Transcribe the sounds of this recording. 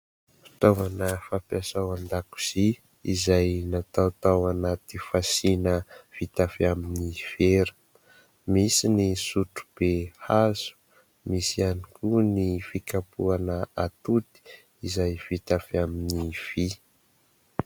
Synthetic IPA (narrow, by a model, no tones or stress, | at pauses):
ft̪avanəfapjasawand̪aku̥z̥i | izajnat̪awt̪awanat̪ifasinəv̥it̪afaminiv̥eɾə̥ | misinisuʈ͡ʂu̥b̥ehaz̥u̥ | misianikunifikapuanəat̪ut̪i̥ | izajvit̪afiaminiv̥i